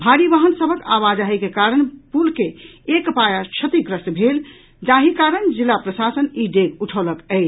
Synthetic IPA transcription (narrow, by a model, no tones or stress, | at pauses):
bʱaɾiʋaɦənsəbʱəkaʋad͡ʒaɦɛjkekaɾənpulkeekpajat͡ʃʰət̪iɡɾəst̪bʱel | d͡ʒaɦikaɾənd͡ʒilːapɾəsasəniɖeɡuʈʰoləkəɪt͡ʃʰ